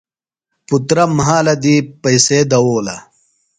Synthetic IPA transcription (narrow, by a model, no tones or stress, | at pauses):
put̪ɾɐmɐɦaːlɐd̪ipɐjseːd̪ɐwoːlɐ